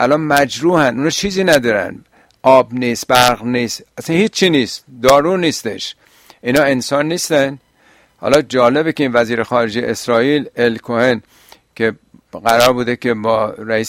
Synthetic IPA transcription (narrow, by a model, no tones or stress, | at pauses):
ʔælɒːnmæd͡ʒɾuːhænuːnɒːt͡ʃʰiːziːnæd̪ɒːɾæ̰n | ʔɒːbniːs̚bæɾɣniːst̪æsænhiːt͡ʃt͡ʃʰːiniːst̪̚d̪ɒːɾuːniːst̪ḛʃ | ʔiːnɒːensɒːnːiːst̪æn | hɒ̰ːlɒːd͡ʒɒːle̞bekʲeinvæziːɾexɒːɾed͡ʒejḛesɾɒːiːlelkʰohen | kʰeɣæɾɒːɾbud̪ekʲʰebɒːɾæiːs